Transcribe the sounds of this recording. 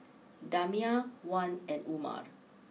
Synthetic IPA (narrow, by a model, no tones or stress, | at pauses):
damiawãnɛ̃numa̰ɹ